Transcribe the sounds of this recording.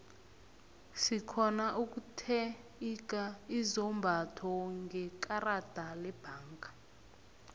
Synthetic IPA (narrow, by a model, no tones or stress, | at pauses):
sikʰɔnauk̬ʼutʰɛik̬ʼaizɔmbʱatʰɔŋɡʱɛkʼarad̥ʱalɛb̥ʱaːŋka